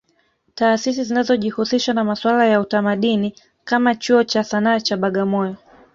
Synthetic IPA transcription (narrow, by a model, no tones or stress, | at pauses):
taːsis̬izinazɔʄihusiʃwanamaswalajautamaɗini | kamat͡ʃuɔt͡ʃasanaːt͡ʃaɓaɠamɔjɔ